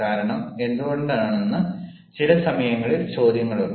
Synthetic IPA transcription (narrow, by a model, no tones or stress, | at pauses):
aːɾɐɳɐme̞nd̪uɣo̞ɳɖaːɳenːɨ | t͡ɕilɐsɐmɐjɐŋːɐɭilt͡ɕo̞ːd̪ʱjɐŋːɐɭu